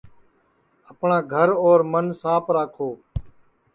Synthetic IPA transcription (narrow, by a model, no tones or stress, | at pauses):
əpɳãːɡʱəɾoːɾmənsaːpʰɾaːkʰoː